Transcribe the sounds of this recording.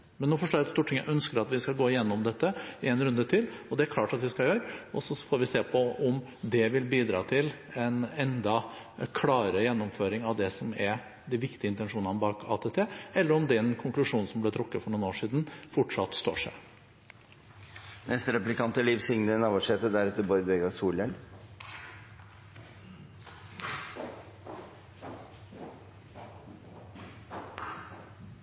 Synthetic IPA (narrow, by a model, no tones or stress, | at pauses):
mɛnːuːfɔʂʈoːɾɑt̪st̪uːʈʰːɪŋːjæ̰ʔœnskəɾɑt̪ʋɪskɑlɡoːɪjɛnːɔmd̪ɛt̪ːəɪɛnɾʉnd̪ət̪ʰɪlɔd̪ɛæɾkʰlɑːʈɑt̪ʋɪskɑljøːɾəɔsɔfoːɾʋɪseːpʰɔɔm | d̪ɛʋɪlbiːd̪ɾɑ̰ːt̪ʰɪlɛnɛnd̪ɑ | kʰlɑːɾəjɛnːɔmføːɾɪŋɑʋd̪ɛsɔmæɾ | d̪ɪʋɪkt̪ɪəɪnt̪ɛnʂuːnɑnbɑːkʰɑ̰ːt̪ʰɛːt̪ʰeːɛlːəɾɔmd̪ɛnkʰʊŋklʉʂuːnsɔmblɛt̪ʰɾʊkːəfɔɳuːnoːʂiːd̪nfɔʈʂɑt̪ːst̪o̰ːʂæ̰ | nɛst̪ɾɛplɪkɑnt̪əliːʋsɪŋnənɑːʋɔʂheːt̪əd̪æɾɛt̪ːəbɔɾd̪ʋɛɡɑsuːlɛl